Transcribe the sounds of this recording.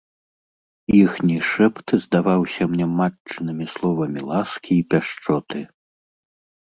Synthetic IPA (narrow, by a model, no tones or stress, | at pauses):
jixnʲiʂɛpt̪ɨzd̪avawsʲɐmnʲɛmat͡ʂt͡ʂɨnɨmʲislˠɔvɐmʲilˠaskʲʰiːpʲaʂt͡ʂɔt̪ɨ